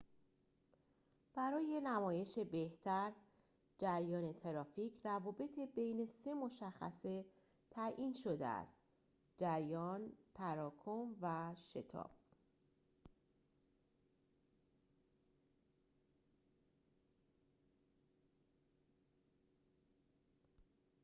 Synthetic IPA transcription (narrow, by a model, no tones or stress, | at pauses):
b̥æɾɒːje̞næmɒːje̞ʃebe̞ht̪ʰæɾ | d͡ʒæɾjɒːne̞t̪ʰe̞ɾɒːficʰrævɒːbe̞t̪ʰebejne̞se̞mo̞ʃæxːæ̰se̞ | t̪ʰæʔiːnʃo̞d̪ḛæ̰st̪ | d͡ʒæɾjɒːnt̪ʰæɾɒːkʰomvæʃe̞̰t̪ʰɒ̰ːb̥̚